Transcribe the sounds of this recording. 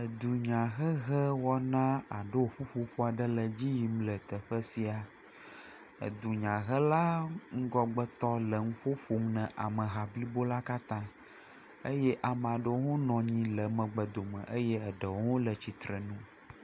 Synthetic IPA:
ə˨d̪u˨ɲã˨ɣə˦ɣə˦wɔ˦nã˦a˨ɖə˦wo˨ɸu˦ɸu˦ɸu˦a˨ɖə˦lə˨d͡ʑi˦ji˨m˦lə˨t̪ə˨ɸə˦si˨a˨ | ə̰˨d̪u˨ɲã˨ɣə˦la˦ŋ̩˦ɡɔ˦ɡ͡bə˦t̪ɔ˦lə˨ŋũ˦ɸo˦ɸu˦ŋnɛ̃˨ʔa˨mə̃˨ɦa˨bli˦bo˦la˦ka˦t̪ã˦ | ə˦jɛ˦ʔa˨m̃˨a˨ɖo˦wŋo˦nɔ̃˨ɲĩ˦lə˨mə̃˨ɡ͡bə˨d̪o˨mə̰̃˨ʔə˦jɛ˦ə˨ɖə˨wo˦ŋo˦lə˨t͡ɕi˨t̪ɾə˨nũ˦

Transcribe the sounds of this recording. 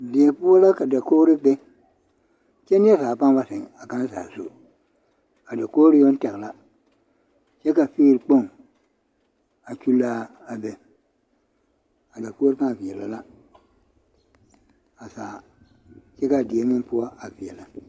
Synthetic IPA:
dɪ˨e˨pʊ˦ɔ˦la˦ka˨da˨koː˦ɾɪ˦k͡pɛ˦ | t͡ʃɛ˦nɪ˦ɛ˦saː˨pã˦ŋba˦sɪ˨ŋa˨kã˦sa̰ː˨so̰˦ | a˨da˨koː˦ɾɪ˦jo˦n˦tɛ˨ɣla˦ | t͡ʃɛ˦ka˨fi˦ɾk͡po˦˨ŋ | a˨t͡ʃu˦laː˦ | a˨bɛ˨ | a˨da˨koː˦ɾɪ˦kã˦˨vɪ˨ɛ˨la˨la˦ | a˨saː˨ | t͡ʃɛ˦ka˨dɪ˨e˨mɪ̃˦ŋpʊ˦a˦a˨vi˨ɛ˨la˨

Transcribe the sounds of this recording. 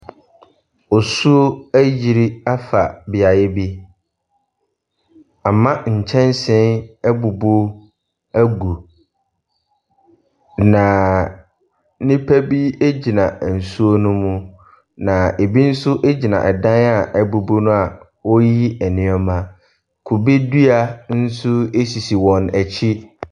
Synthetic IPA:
ɔ˨su˦o˦æ˦ji˨ɾi˦a˦fa˨bɪ˨a˨jɪ˦bi˦ | a˨mã˦ɲ̩˨t͡ɕʰɛ̃˦n˦sɪ̃˦nɛ˦bu˨bo˦ | æ˦ɡu˨ | nã˨ | nɪ̃˦pʰæ˦bi˦e˦d͡ʑi˨nã˨n̩˨su˦o˦nʊ̃˦mʊ̃˦ | nã˨ʔe˨bi˦n̩˦sʊ˦ʔe˦d͡ʑi˨nã̰˨ʔɛ˨dã˦na˨ʔæ˨bu˨bo˦nʊ̃˦a˨ | wɔ˦ji˦ɛ˨nɪ̃˨˦ɔ˦mã˦ | kʰu˨bi˦du˦a˨n̩˦sʊ˦e˦si˨si˨wɔ̃˨næ˨t͡ɕʰi˦

